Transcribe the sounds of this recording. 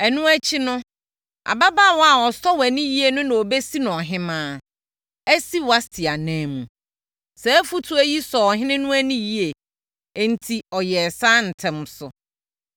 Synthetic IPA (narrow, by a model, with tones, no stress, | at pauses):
ɛ˨nũ˦æ˦t͡ɕʰi˦nʊ̃˦ | a̰˨ba˦ba˦˨wɔ˦a˨wɔ˨stʰɔ˦wæ˨nĩ˦ji˦e˨nʊ̃˦nã˨o˨be˦si˦nʊ̃˨ɔ˨ɦɪ̃˦mãː˦ | æ˦si˦wa˦stʰɪ˨a˨næ̃ː˨˦mũ˨ | sɛ˨˦fu˦tʰu˦æ˦ji˦sɔ˨ɦɪ̃˦nɪ̃˦nʊ̃˦æ˦nĩ˦ji˦e˨ | n̩˨tʰi˨ɔ˨jɛ˨saː˦n̩˨tʰɛ̃˨m˦sʊ˨